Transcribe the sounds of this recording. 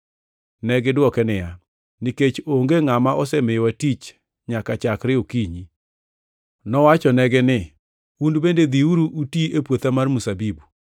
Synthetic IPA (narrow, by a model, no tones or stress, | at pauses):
nɛɡɪdwɔkɛnɪja | niket͡ʃoŋɡeŋamaʔɔsɛmɪjwatit͡ʃ | ɲakat͡ʃakɾɪokiɲi | nɔwat͡ʃɔnɛɡɛnɪ | undbended̪iuɾuʔutiepwot̪amarmusabibu